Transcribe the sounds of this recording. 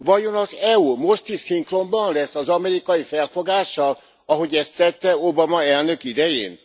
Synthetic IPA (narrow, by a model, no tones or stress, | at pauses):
vɒjo̞nɒzɛumo̞ʃt̪iʃsiŋkro̞mbɒnlɛsːɒzɒmɛɾikɒjifɛlfo̞ɡaːʃːɒl | ɒɦo̞ɟɛst̪ːɛt̪ːɛobɒmɒɛlnøkid̪ɛjḛːn